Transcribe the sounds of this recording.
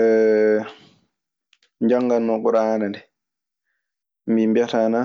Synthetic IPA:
ɛ | ɲd͡ʒaŋɡanːɔkuɾaːnandɛ | mimbjɛtana

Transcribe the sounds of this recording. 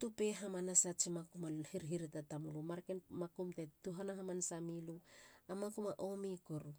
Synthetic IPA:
tupeɦamanasat͡ʃimakumahiɾɦiɾitatamulumaɾkenmakumtetuɦanaɦamansamiluamakumaʔomikoɾu

